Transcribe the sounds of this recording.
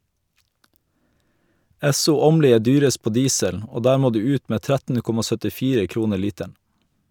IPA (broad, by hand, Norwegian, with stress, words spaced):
ˈɛsʊ ˈoːmliː ˈeː ˈdyːɾəst ˈpoː ˈdiːsəl ˈoː ˈdæːɾ ˈmoː ˈdʉː ˈʉːt ˈmeː ˈtɾætn̩ ˈkɔmɑ sœtɪˈfiːɾə ˈkɾuːnə ˈɭiːtæɳ